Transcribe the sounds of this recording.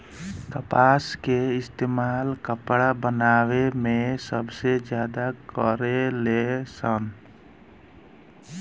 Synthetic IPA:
kəpaskeɪst̪eːmalkəpɽabənaːwemesəbsed͡ʒjad̪akəɾelesən

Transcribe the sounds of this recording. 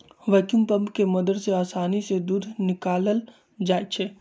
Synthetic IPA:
ʋɐkumpə̃mpkemɐd̪əɾseaːsaːnised̪uːd̪ʱnɪkaːləl | d͡ʒaːjt͡ʃʰeː

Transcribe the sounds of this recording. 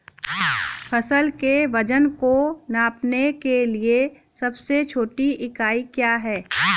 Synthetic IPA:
pʰɐsəlkeʋɐd͡ʒənkonaːpnekelie | sɐbset͡ʃʰoːʈiɪkaːikjaːɦɛː

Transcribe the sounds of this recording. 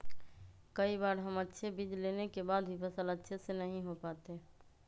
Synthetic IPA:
kəibaɾɦəmətːʃʰebid͡ʒ̪lenekebad̪bʱipəsələtːʃʰesenəɦĩɦopat̪e

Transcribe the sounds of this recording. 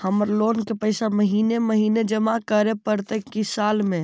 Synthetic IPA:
həməɾloːnkepəɪsaməɦiːneməɦiːned͡ʒəmakəɾepəɾt̪ekisaːlmẽ

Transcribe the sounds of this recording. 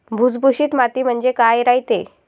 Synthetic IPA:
bʱud͡zbʱuɕiːt̪mat̪iːm̤əɳd͡zekajɾajt̪e

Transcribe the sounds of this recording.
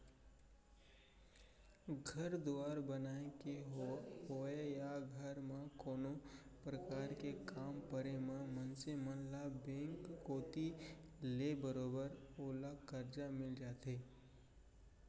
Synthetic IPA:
ɡʱɐɾd̪oaːɾbənaːekeɦoːejaɡʱəɾmãkoːnopɾəkaːɾkekaːmpəɾemẽmə̃nsemə̃nlabẽːŋkːoːt̪ilebəɾoːbəɾoːlakəɾd͡ʒamɪld͡ʒaːt̪ɦeː

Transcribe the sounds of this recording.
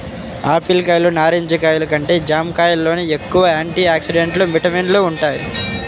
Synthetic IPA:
aːpilkɐjlunaːɾeɲd͡ʒɐkaːjulɐk̬ɐɳʈeːd͡ʒaːmkaːjɐlːo̞ːnie̞kːuʋɐaːɳʈiːaːksiɖeɳʈlumiʈɐminluuɳʈaːjḭ

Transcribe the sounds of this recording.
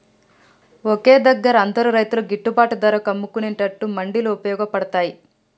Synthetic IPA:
oke̞ːd̪ɐɡːɐɾɐɐnd̪ɐɾuɾɐjt̪uluɡiʈːubaːʈud̪ɐɾɐkɐmːukuneɳʈɐʈːumɐɳɖiluupɐjɔːɡɐpɐɽɐt̪aːji

